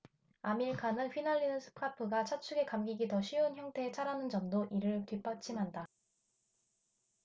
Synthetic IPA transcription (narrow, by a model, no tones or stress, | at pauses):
amiɭkʰanɯnɸinaɭːinɯsʰɯ̥pʰapʰɯɡat͡ɕʰat͡ɕʰuɡe̞kamɡiɡitʌɕʰiunçjʌŋtʰe̞ːt͡ɕʰaɾanɯnd͡ʑʌmdoʔiɾɯɭtɥip͈at͡ɕʰimɦanda